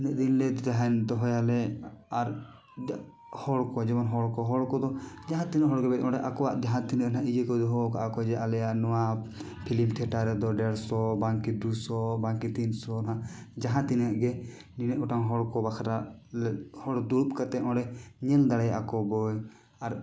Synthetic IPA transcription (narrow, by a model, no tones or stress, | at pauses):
nɛʔd̪inlɛt̪t̪aɦand̪ɔɦɔjalɛaɾ | hɔɽkɔd͡ʒɛbɔnɦɔɽkɔɦɔɽkɔd̪ɔd͡ʒaɦãt̪inɛʔɦɔɽɡɛbɛt̪ɔ̃ɖɛʔakɔwaʔd͡ʒaɦãt̪inʔaɦãʔid͡ʒɛkɔd̪ɔɦɔka̰ʔakɔd͡ʒɛʔalɛjaʔnɔwa | pʰilimt̪ʰɛʈaɾɛd̪ɔɖɛɽsɔbaŋkid̪usɔbaŋkit̪insɔnaɦãʔd͡ʒaɦãt̪inaʔɡɛ | ninɛʔɔʈaŋɦɔɽkɔbakʰaɾaʔlɛhɔɽd̪uup̚kat̪ɛɔ̃ɖɛɲɛld̪aɽɛjaʔakɔbɔj | aɾ